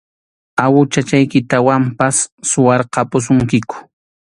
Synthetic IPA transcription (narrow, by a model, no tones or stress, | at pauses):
awʊt͡ʃat͡ʃajkɪt̪awampasːʊwɑɾqɑpʊs̬ʊŋkɪkʊ̥